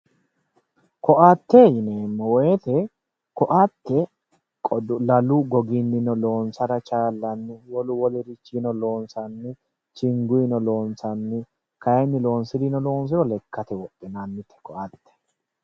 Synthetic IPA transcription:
kɔʔat̪ːejɪneːmːɔwɔjɛt̪ɛ | kɔʔat̪ːɛ | kʼɔlɐluɡɔɡɪnːɪnɔlo̞ːnsɐɾɐt͡ʃaːlːɐnːɪwɔlʊwɔlɛɾɪt͡ʃːinɔlo̞ːnsɐnːɪ | t͡ʃɪŋɡʊɪnɔlo̞ːnsɐnːɪ | kɐjɛnːɪlo̞ːnsɪd̪inɔlo̞ːns̬ɪɾɔlɛkʰːɐt̪ɛwɔt̪ʼːɪnanːɪt̪ʰɛ̥kɔʔɐt̪ːɛ̥

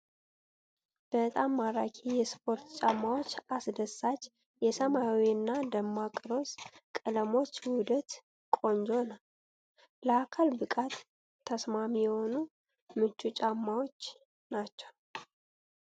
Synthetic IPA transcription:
b̥ət̪ʼamːaɾakʰijɛspʰo̞ɾt̪t͡ʃʼamːawo̞t͡ʃːasd̪əsːat͡ʃː | jɛsəmawiɨnːad̪əmːakʼɨɾo̞skʼələmo̞t͡ʃːwʊd̪ət̪ | kʼo̞nd͡ʒo̞nəw | ləakʰalbɨkʼat̪ʰː | əsmamijɛho̞nu | mɨt͡ʃːut͡ʃʼamːawo̞t͡ʃː | nat͡ʃːɛw

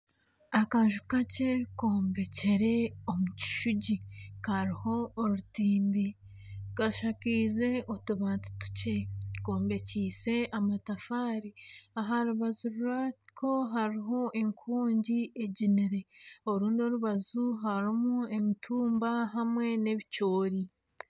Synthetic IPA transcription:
akaʒukace̞ko̞ːmbe̞ce̞ɾe̞omuci̥ʃuɟikaɾiho̞ːɾutiːmbi | kaʃakiːze̞ʔotuβaːnti̥tu̥ce̞ko̞ːmbe̞ciːse̞ʔamatafaːɾiaɦaɾuβazuɾuɾako̞ɦaɾiɦo̞ʔe̞ŋkʰuːɲɟiʔe̞ɟiniɾe̞o̞ɾuːndo̞ɾuβazuɦaɾimue̞mitʰuːmbaɦamwe̞ne̞βico̞ːɾi

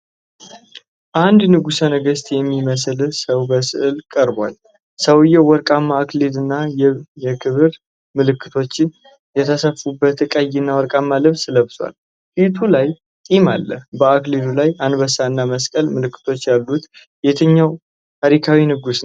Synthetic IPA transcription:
ʔand̪nɨɡusənəɡəst̪ʼjɛmːiməslsəwbəsɨ̰ʔɨlkʼəɾbʷa̰l | səwjɛwɔɾkʼamːaːklid̪ɨnːajɛjɛkʰɨβɨɾ | mɨlɨkʰːɨt̪ʰo̞t͡ʃːɪn | jɛt̪ʰəsəfubːət̪ɨkʼajːɪnːawɔɾkʼamːalɨβsləβswa̰l | fit̪ʰulaj | t̪ʼimalːəhbəaklid̪ulajand̪bəsaɨnːaməskʼəlmɨlɨkːɨ̥t̪ʰo̞t͡ʃːjalːut̪ | jet̪ʰəɲːaw | t̪ʰaɾikʰawinɨɡus

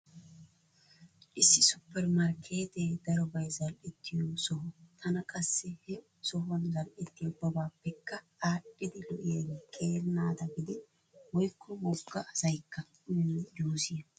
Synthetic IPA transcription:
ʔɪsːɪsʊpːɛɾmɐɾkʰe̞ːt̪ɛd̪ɐɾɔbɐjzɐlʔɛt̪ːɪjɔsɔɦɔt̪ʰɐnɐkʼɐsːɛhɛ | sɔɦɐnzɐlʔɛt̪ːɪjɔbɐbaːpːɛkːɐ | aːɗʼːɪd̪ɪlɔʔɪeːɡkʰʼeːlnaːd̪ɐɡɪd̪ɪ | wɔjkːɔwɔɡːɐɐsɐjkːɐ | d͡ʒuːsɪjɐ

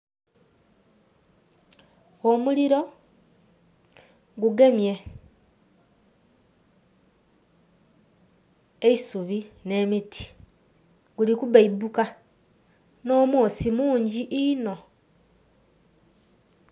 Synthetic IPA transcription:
omuliɾo̞ | ɡuɡemje̞ | eisuβine̞mitʰi̥ | ɡulikuβaibuka | no̞moːsimuːɲɟiʔino̞

